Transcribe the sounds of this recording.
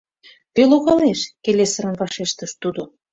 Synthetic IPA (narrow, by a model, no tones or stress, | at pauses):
t̪eloɣɑleʃkelesəɾə̆nvɑʃeʃt̪əʃt̪ud̪o